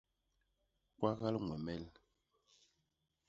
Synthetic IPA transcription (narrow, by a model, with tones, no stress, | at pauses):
kwa˦ɣa˦lŋwɛ˨mɛ˦˨l